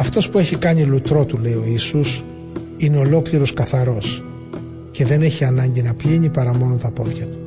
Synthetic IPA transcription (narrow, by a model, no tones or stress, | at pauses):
ɐft̪o̞spue̞çikɐɲilut̪ɾo̞t̪ule̞io̞isus | ine̞o̞lo̞kliɾo̞skɐθɐɾo̞s | ce̞ðe̞ne̞çiɐnɐɲɟinɐpʎiɲipɐɾɐmo̞nont̪ɐpo̞ðʝɐt̪u̥